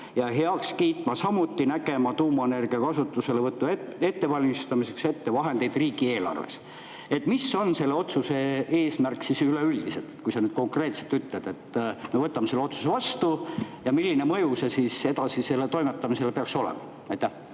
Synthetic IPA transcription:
jɑɦe̞ɑkskiːt̪mɑsɑmut̪ːˑinæɡe̞mɑt̪uːmɑene̞rɡ̥iɑkɑsut̪ːˑuse̞levɤt̪ːuee̞t̪ːe̞vɑlʲmist̪ɑmise̞kse̞t̪ːe̞vɑɦe̞nd̪̥e̞jd̪̥riːɡ̥ie̞ːlɑ̰rvḛs | e̞t̪ːˑmisːo̞nse̞lːeo̞t̪suse̞e̞ːsmærksisyleyld̪̥iselt̪ːˑe̥t̪kujsɑnyːd̪̥̚ko̞ŋkre̞ːt̪set̪yt̪led̪̥e̞t̪ːme̞vɤt̪ːˑɑmese̞lːeo̞t̪su̥se̞vɑst̪ujɑmilʲːinemɤjuse̞sise̞d̪ɑsise̞lːe̞t̪o̞jmet̪ːɑmise̞lepeɑkso̞lḛmɑ̰ | næjt̪ːˑæh

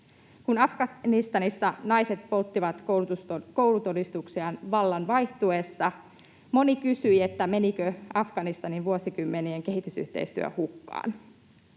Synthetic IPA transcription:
kunɑfɡɑnist̪ɑnisːɑnɑjse̞t̪̚po̞lt̪ːiʋɑt̪ | ko̞wlut̪o̞dist̪uksiɑnʋɑlːɑnʋɑjht̪ue̞sːɑ | mo̞nikysyjet̪ːæme̞nikøɑfɡ̥ɑnist̪ɑninʋuosikymːe̞nieŋke̞ɦit̪ysy̰ht̪e̞̰ist̪y̰ø̰hukːɑ̰ːn

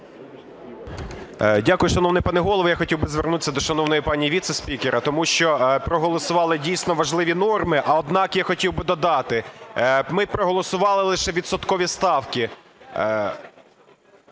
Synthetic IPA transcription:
dʲakʊjʊʃɐnɔwnɪjpɑnɪɦɔlˠɔʋjaxɔtʲiwbɪzʋernut̪ɪ̥sʲːɐd̪ɔʃɐnɔwnɔjipɑnʲiʋʲit̪sesʲpʲikeɾɐt̪ɔmuʃt͡ʃɔpɾɔɦɔlˠɔsʊʋɑlˠɪdʲijsʲnɔʋɐʒlˠɪʋʲinɔrmɪʔɐɔd̪nɑkjaxɔtʲiwbɪd̪ɔd̪ɑt̪ɪ | mɪpɾɔɦɔlˠɔsʊʋɑlˠɪlˠɪʃɛʋʲid̪sɔt̪kɔʋʲist̪ɑwkʲi

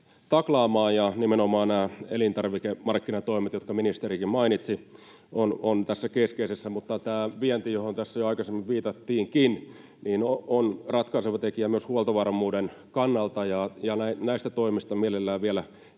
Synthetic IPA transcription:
t̪ɑklɑːmɑːjjɑnimenomɑːnæːelint̪ɑrʋikemɑrkːinɑt̪oimet̪jot̪kɑminist̪erikimmɑinit̪si | onont̪æsːækeskeisesːæmut̪ːɑt̪æːʋiɛnt̪ijohont̪æsːæjoɑikɑsemːiʋʋiːt̪ɑt̪ːiːŋkin | niːnoonrɑt̪kɑiseʋɑt̪ekiæmyøshuolt̪ɑʋɑrmuːdenkɑnːɑlt̪ɑjɑjɑnæinæist̪æt̪oimist̪ɑmielelːæːʋielæ

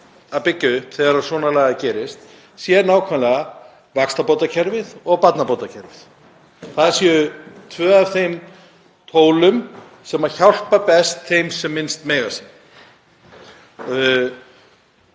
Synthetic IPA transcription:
apɪcːʏθɛɣaɾaɾ̥svɔːnalɛːɣacɛːɾɪst̪ | sjɛnaːwkʰvanlɛɣa | vakst̪apowt̪acʰɛɾvɪðɔɣpat̪napowt̪acʰɛɾvɪθ | θaðsɛʏt̪ʰvœːavθejm | t̪ʰoːwlʏm | sɛmaɾ̥çawl̥papɛst̪θejmsɛmːɪnst̪mɛːjɣasi

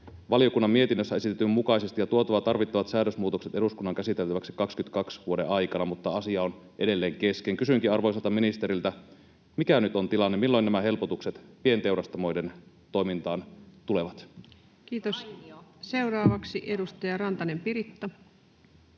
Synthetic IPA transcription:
ʋɑlio̞kunːɑmːie̞t̪inːøsːæe̞sit̪et̪ːymukɑjse̞st̪ijɑt̪uo̞t̪ɑʋɑt̪ɑrʋit̪ːɑʋɑt̪sæːdøsmuːt̪o̞kset̪e̞duskunːɑŋkæsit̪elt̪æʋæksi̥kɑkskynt̪kɑksʋuo̞dḛʔɑjkɑnɑmut̪ːɑɑsiɑon | ʔe̞de̞lːeːŋke̞skeŋkysyŋkiɑrʋojs̬ɑlt̪ɑminist̪eɾilt̪æ | mikænyt̪o̞nt̪ilɑnːemilːo̞jnæmæɦe̞lpo̞t̪ukset̪pie̞nt̪e̞wɾɑst̪ɑmo̞jde̞n | t̪o̞jmint̪ɑːnt̪ule̞ʋɑt̪ | kiːt̪osse̞wrɑːʋɑksiʔedust̪ɑjɑrɑnt̪ɑnempiɾit̪ːɑ

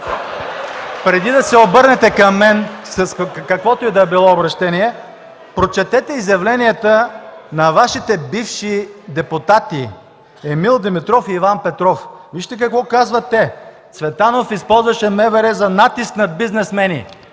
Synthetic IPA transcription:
pɾɛd̪id̪ɐsɛobɤɾnɛt̪ɛkɐmːɛnsɐskɐkvɔt̪oɛd̪ɐɛbilˠɔobɾɐʃt̪ɛniɛ | pɾot͡ʃɛt̪ɛt̪ɛizjɐvlɛniət̪ənɐvaʃit̪ɛbifʃid̪ɛput̪at̪i | ɛmilˠd̪ɛmit̪ɾɔfiːvanpɛt̪ɾɔfviʃt̪ɛk̬ɐkvɔkazvɐt̪ːɛ | svɛt̪anofispɔlˠzvɐʃɛmɛvɛɾɛzɐnat̪isknɐbiznɛsmɛnḭ

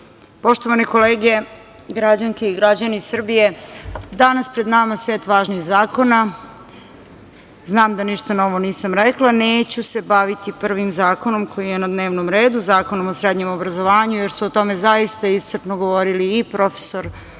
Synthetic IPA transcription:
po̞ʃt̪o̞ʋaniko̞leːɡe | ɡɾad͡ʑaŋkeiɡɾad͡ʑanisr̩bije̞d̪anaspɾed̪namasʋeːt̪ʋaːʒniːxzaːko̞na | znaːmd̪aniʃt̪ano̞ʋo̞niːsamɾeklˠaneːt͡ɕuse̞baʋit̪ipr̩ʋimzaːko̞no̞mkʰo̞jijenad̪ne̞ːʋnomɾeːd̪uzaːkonomosɾed̪ɲemobɾazoʋaːɲujeɾsuot̪o̞mezaist̪aist̪rt͡ʂnoɡoʋoɾiliːpɾo̞fe̥so̞ɾ

